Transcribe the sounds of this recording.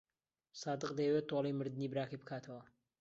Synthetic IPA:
sɑːd̪ɨqd̪ejwet̪ːolejmɨɾd̪ɨnibɨɾaːkijbɨkʰaːt̪ʰɐwɐ

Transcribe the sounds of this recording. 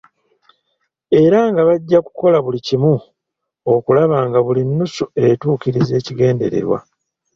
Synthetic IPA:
e̞ɾaŋɡaβaɟːaku̥ko̞laβulicimu | o̞kulaβaːŋɡaβulinːusue̞tuːkiɾize̞ːciɡe̞ːnde̞̰ɾe̞̰ɾwa̰

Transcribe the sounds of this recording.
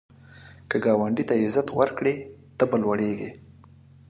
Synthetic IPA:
kəɡɑːwaɳɖit̪aɪzat̪wəɾkɽet̪əbəlwaɽeɡḛ

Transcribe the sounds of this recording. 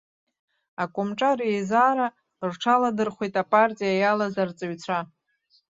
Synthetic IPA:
akʷʼʊmʈ͡ʂʼarejzaːɾa | rʈ͡ʂʰaladɨrχʷijtʼapʼartʼijajalazart͡sʼɨɥt͡sʷʰa

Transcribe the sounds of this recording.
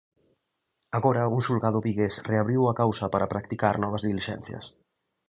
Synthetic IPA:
aɣɔɾɐuŋsulɣaðʊβiɣesreaβɾiwɐkawsɐpaɾapɾakt̪ikaɾnɔβ̞ɐzðiliʃɛ̰n̟θjɐ̰s

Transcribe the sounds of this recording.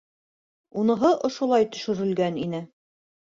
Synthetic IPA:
unɤ̆ɦɤʔŏʃŏlˠɑjt̪ɵ̥̆ʃɘ̆ɾɘ̆lɡæninɘ

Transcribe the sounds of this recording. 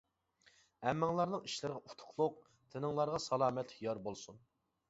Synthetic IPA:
ɛmːɪŋlˠɑɾnɨŋiʃlɪɾʁɑʔut̪ʰʊ̥χʰlˠʊq̚ | t̪ʰɪnɨŋlˠɑɾʁɑsɑlˠɑːmɛt̪hijɑɾbolˠsun

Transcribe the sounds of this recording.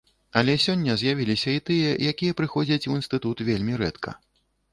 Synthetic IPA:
ɐlʲɛsʲɔnʲːɐzʲjavʲilʲisʲɐit̪ɨjɐjakʲijɐpɾɨxɔd͡zʲɐt͡sʲuinst̪ɨt̪ut̪vʲelʲmʲiɾɛt̪kʰɐ̰

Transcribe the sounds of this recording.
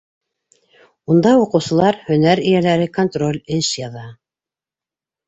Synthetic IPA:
und̪ɑjuqɤ̆wsɤ̆lˠɑɾhɵ̆næɾɘ̆jælæɾɘko̞nt̪ro̞lʲɘʃjɑðɑ

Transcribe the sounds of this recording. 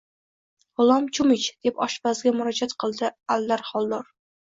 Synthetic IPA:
ʊlˠɒmt͡ʃʰʊmɪt͡ʃd̪̥e̞pɒʃbazɡʲamʊɾɒd͡ʒat̪qʰɨlˠd̪ɪalːaɾχɒlˠd̪ɒɾ

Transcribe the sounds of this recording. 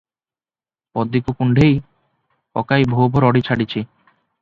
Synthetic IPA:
pɔd̪ːikukuɳɖʱej | ɔ̰kajbʱobʱoɾɔɽit͡ɕʰaɽit͡ɕʰi

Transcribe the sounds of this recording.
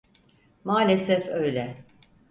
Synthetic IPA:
maːlʲesɛfø̞jlʲɛ

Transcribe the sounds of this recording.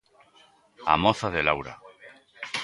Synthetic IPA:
a̰mɔθaðelawɾa̰

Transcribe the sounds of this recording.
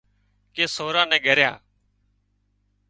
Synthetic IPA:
keːsoːɾãːnɛ̃ːɠʱəɾjã̰ː

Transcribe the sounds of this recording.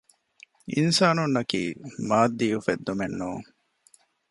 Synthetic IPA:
ḭnsaːnunːɐkḭːmaːd̪ːiːufed̪ːumenːuːŋ

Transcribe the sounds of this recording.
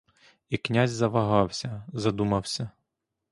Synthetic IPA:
iknʲazʲzɐʋɐɦɑwsʲɐzɐd̪umɐwsʲɐ

